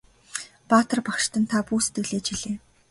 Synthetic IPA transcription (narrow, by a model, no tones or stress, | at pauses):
paːt̪ə̆rpakʃt̪ə̆nt̪ʰapuːse̥t̪ɘ̆ɮeːt͡ɕiɮeː